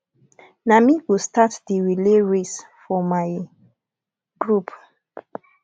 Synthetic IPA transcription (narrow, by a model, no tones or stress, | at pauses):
namiɡustatdiɹileɹesfɔmaj | ɡ̥ɹup